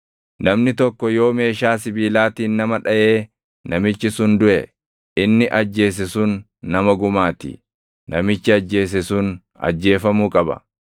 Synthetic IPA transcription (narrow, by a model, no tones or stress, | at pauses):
nɐmnɪt̪ɔkːɔjo̞ːme̞ːʃaːsɪbiːlaːt̪iːnːɐmɐᶑɐje̞ː | nɐmɪt͡ʃːɪsʊnd̪ʊʔɛ | ɪnːɪʔɐd͡ʒːe̞ːs̬ɪsʊnː | ɐmɐɡʊmaːt̪ɪ̰ | nɐmɪt͡ʃːɪɐd͡ʒːe̞ːs̬ɛsuːn | ɐ̰d͡ʒːe̞ːfɐmuːkʼɐbɐ̰